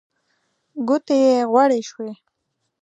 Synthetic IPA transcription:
ɡʊt̪ejeɣwaɽeʃwe

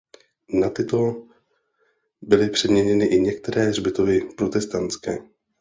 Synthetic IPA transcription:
nat̪ɪt̪o | bɪlɪpr̥ɛdmɲɛɲɛnɪʔɪɲɛk̚t̪ɛɾɛːrbɪt̪ovɪpɾot̪ɛst̪ant͡skɛː

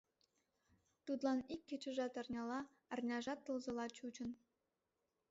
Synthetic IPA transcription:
t̪ut̪lˠɑnikʲːet͡ɕɘ̆ʒɑt̪ɑrnʲɑlɑ | ɑrnʲɑʒɑt̪ːɤ̆lzɤ̆lˠɑt͡ɕut͡ɕɤ̆n

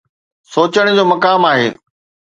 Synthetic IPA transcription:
soːt͡ɕəɽ̃d͡ʑoːmɐkaːmaːɦḛː

